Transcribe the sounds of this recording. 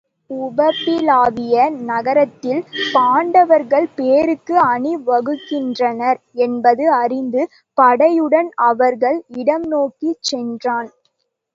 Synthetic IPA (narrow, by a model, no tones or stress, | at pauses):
ʊbɐpːɪlaːʋɪjɐnɐɣɐɾɐt̪ːɪlpaːɳɖɐʋɐɾɣɐɭpeːɾɯkːɯɐɳiʋɐɣɯkːɪndrɐnɐɾ | ɛnbɐðɯɐrɪnd̪ɯ | pɐɽɐjɯɽɐnɐʋɐɾɣɐɭɪɽɐmnoːkit͡ʃːɛndraːn